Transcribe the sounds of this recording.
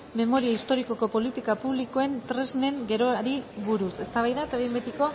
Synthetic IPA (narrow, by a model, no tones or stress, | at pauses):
me̞mo̞ɾiaist̪o̞ɾiko̞ko̞po̞lit̪ikapuβliko̞e̞nt̪ɾe̞zne̞ŋɡe̞ɾo̞ɾiβuɾuse̞st̪aβajðaet̪aβiembet̪iko̞